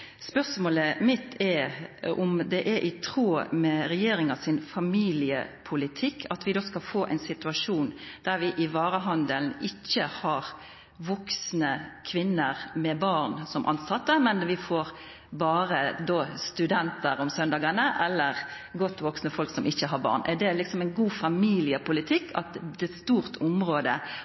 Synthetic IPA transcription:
spœʁsmoːləmɪt̪ʰːɛɔmd̪ɛʔɛʔɪt̪ʰɾuːmɛɾɛjeːɾɪŋɑsɪnfɑmiːlɪə̰pʰʊlɪt̪ʰɪkːʰɑt̪ʰʋɪd̪oːskɑlfoːʔɛ̰ɪnsɪt̪ʉɑʂuːnd̪̥æɾʋɪʔɪʋɑːɾəɦɑnd̪əlnɪçːəhɑɾ | ʋɔksnəkʰʋɪnːəɾmɛbɑɾnsɔmʔɑ̰nsɑt̪ːəmɛnʋɪfoːɾ | bɑːɾəd̪oːst̪ʉd̪ɛnt̪əɾɔmsœnd̪ɑːɡənəʔɛlːəʁ | ɡɔt̪ːʋɔksnəfɔlksɔmʔɪçːəɦɑɾbɑ̰ːʁnʔɛæd̪ɛlɪksɔmɛɪnɡuːfɑmiːlɪəpʊlɪt̪ʰɪkːʰɑ̰t̪d̪ɛːst̪uːɾt̪ʰʊmɾoːd̪ə

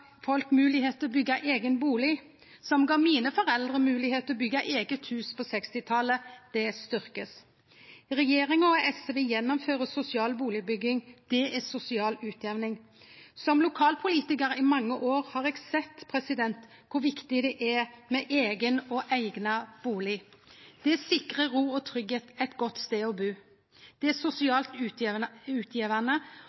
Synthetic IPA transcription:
fɔlkmʉːlɪheːt̪əɔbʏɡːɑʔeːɡənbuːlɪ | sɔmɡɑːmiːnəfɔɾɛld̪ʁəmʉːlɪheːt̪əɔbʏɡːɑʔeːɡət̪hʉːspʰɔsɛkst̪ɪt̪ʰɑləd̪̥ɛst̪ʏɾkəs | ʁɛjeːɾɪŋɔɛsʋejɛnːɔmføːʁəsʊsɪɑːlbuːlɪbʏɡɪŋd̪̥ɛɛsʊsɪɑːlʉːt̪ʰjɛʋnɪŋ | sɔmlʊkʰɑːlpʰʊliːt̪ɪkəɾɪmɑŋːəʔoːʁhɑːʁɛɡsɛt̪ːpʰɾɛsɪd̪ɛnt̪ | kʰʊʋɪkt̪ɪd̪ɛʔɛmɛʔeːɡənɔʔæɪɡnɑb̥uːlɪd̪̥ɛɛsɪkʁəʁuːɔt̪ʰʁʏɡheːt̪ɛt̪ɡɔt̪ːst̪eːɔbʉː | d̪̥ɛæsʊsɪɑːlt̪ʉːʉːt̪ʰjiːʋænə

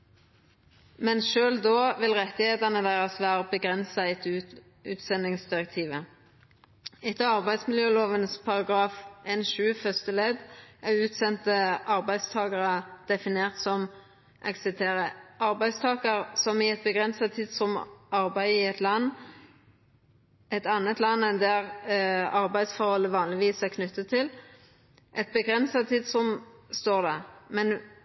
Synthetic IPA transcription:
mɛnʃøːld̪oːʋɪlʁɛt̪ːɪheːt̪ənəd̪æɪʁɑsʋæːʁəbəɡʁɛnsɑɛt̪ʰʉ | ʉ̰ːt̪sɛnɪŋsd̪ɪʁɛk̚t̪ʰiːʋə | ɛt̪ɑʁbæɪd̪smɪljøːloːʋənspʰɑʁɑɡʁɑːfʔeːnʃʉːfœst̪əlɛd̪ʔæʉːt̪sɛnt̪əʔɑʁbæɪst̪ʰɑːɡɑʁɑd̪̥ɛfɪneːʁt̪sɔm | ʔɛ̰ɡsɪt̪ʰeːɾəʔɑɾbæɪst̪ʰɑːkəɾsɔmɪɛt̪̚bəɡʁɛnsɑt̪ʰiːd̪sɔmʔɑɾbæɪɪɛt̪lɑnː | ɛt̪ɑnːət̪lɑnːɛnd̪æʁɑɾbæɪd̪sfɔʁhɔlːəʋɑːnlɪʋiːsækʰnʉt̪ːət̪ʰːɪl | ʔɛt̪̚bəɡʁɛnsɑt̪ʰiːd̪sɔmst̪oːʁd̪ɛmɛn

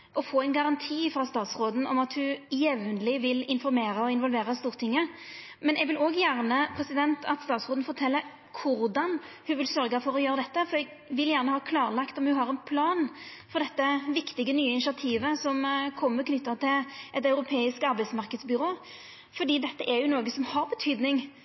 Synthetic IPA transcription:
ʔɔfoːæɪnɡɑɾɑnt̪ʰiːfɾɑːst̪ɑːt̪sʁoːd̪n̩ɔ̰mɑt̪hʉjɛʋnəlɪʋɪlɪnfɔɾmeːɾəɔɪnʋɔlʋeːɾəst̪uːɾt̪ʰɪŋːəmɛnɛɡʋɪloːɡjæʁnəpʰɾɛsɪd̪ɛnt̪ʰɑt̪st̪ɑːt̪sʁoːd̪n̩fɔɾt̪ʰɛlːə | kʰʊɾd̪ɑnhʉʋɪlsœɾɡəfɔɾɔjøːɾəd̪ɛt̪ːəfɔɾɛɡ | ʋɪljæːʁnəhɑːkʰlɑːɾlɑkt̪ɔmhʉɦɑʁɛnpʰlɑːnfɔʁd̪ɛt̪ːəʋɪkt̪ɪɡənyːəɪnɪʂɪɑt̪ʰiːʋəsɔmkʰɔmːəkʰnʏt̪ːɑt̪ʰɪlʔɛt̪ɑʉɾʊpʰeːɪskɑɾbæɪsmɑʁkəd̪sbʏɾoː | fɔɾd̪iːd̪ɛt̪ːəʔɛɾjʊnoːɡəsɔmhɑɾbət̪ʰyːd̪nɪŋ

